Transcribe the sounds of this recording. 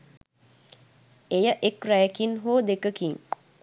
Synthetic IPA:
ejəʔekrajəkinɦoːd̪ekəkiŋ

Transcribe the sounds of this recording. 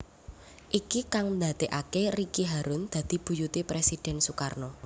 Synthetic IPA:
ʔikikaŋnd̪ad̪̥e̤ʔakerikiɦaɾʊnd̪̥ä̤d̪̥i̤b̥ṳjut̪ipɾesid̥ɛ̤nsukarnɔ

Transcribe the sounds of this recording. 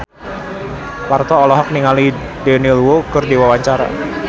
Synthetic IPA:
part̪ɔːlɔɦɔk̚niŋali | dɛnilwokɨrdiwawaɲt͡ʃaɾa̰

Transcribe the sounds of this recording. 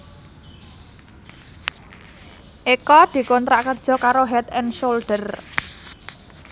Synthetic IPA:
ʔekɔd̪̥i̤kɔnt̪ɾaʔkərd̥ʒ̥ɔ̤kaɾoɦɛt̪ɛnʃolɖ̥ər

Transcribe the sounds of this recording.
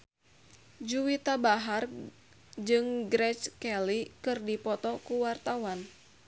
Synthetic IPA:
d͡ʒuwit̪abaɦar | d͡ʒɨŋɡɾɛt͡ʃkɛlikɨrdipɔt̪ɔkuwart̪awan

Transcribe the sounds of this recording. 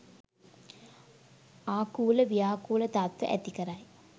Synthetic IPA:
aːkuːləʋijaːkuːlət̪at̪ʋə̰ʔæ̰t̪ikəɾaj

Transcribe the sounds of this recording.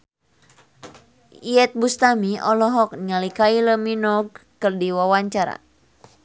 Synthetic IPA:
iɛt̪̚bust̪amiɔlɔɦɔk̚nŋalikailəminɔɡ̚kɨrdiwawaɲt͡ʃaɾa̰

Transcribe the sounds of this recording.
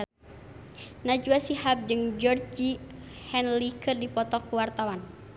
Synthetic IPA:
nad͡ʒuasihap̚d͡ʒɨŋd͡ʒɔrd͡ʒihɛnlikɨrdipɔt̪ɔkuwart̪awan

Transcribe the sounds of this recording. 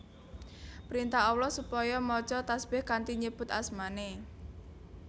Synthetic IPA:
pɾint̪aɦɔwlɔsupɔjɔmɔ̥t͡ʃɔt̪asb̥ɪhkant̪iɲəb̥ʊt̪asmane

